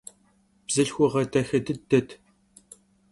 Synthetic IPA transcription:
b̥zɨɬxʷʊʁɐdɐxɐdɨdɐtʰ

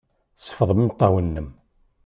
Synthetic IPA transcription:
sə̥fəðˤəmimt̪ˤːɑwənːəm

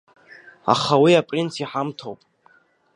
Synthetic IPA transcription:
a̰χawiapʼrinsʰiħamtʰo̰wpʼ

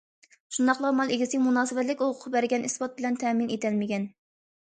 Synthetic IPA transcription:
ʃund̪ɑχlˠɑɾmɑlˠeɡʲisɪmunɑːsɨbɛt̪lɪkʲoʁʰʊqbæɾɡʲɛnʔispɑt̪̚bɪlɛnt̪ʰɛminet̪ʰɛlmɪɡʲɛn

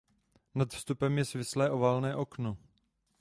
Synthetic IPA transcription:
nat̪fst̪upɛmjɛsvɪslɛːʔo̞vaːlnɛːʔo̞kno

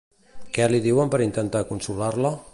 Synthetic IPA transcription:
kɛliðiwəmpəɾint̪ənt̪akunsulaɾlə

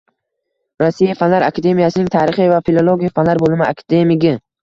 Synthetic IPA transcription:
ɾasːijafanlaɾa̰kʰad̪e̞mijasɪnɪŋt̪ʰaːɾɪχɪvafilˠolˠoɡʲijafanlaɾbolˠɪmɪa̰kʰad̪e̞mɪɡʲɪ

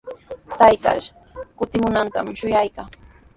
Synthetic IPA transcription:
t̪ajt̪a̰ɾ | kʊt̪ɪmʊnant̪a̰mʃʊjajkaŋ

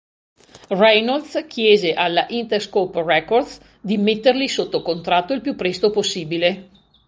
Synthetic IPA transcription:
rajnold̪skʰjɛːzeʔalːaʔint̪erskoprɛkːord̪s | d̪imet̪ːerlisot̪ːokont̪ɾat̪ːoilpjupːɾɛst̪oposːiːbile

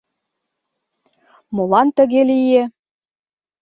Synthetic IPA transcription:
molɑnt̪ə̆ɣelije

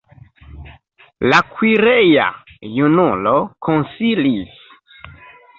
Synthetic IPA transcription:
lakwiɾeja̰junulokʰonsilis

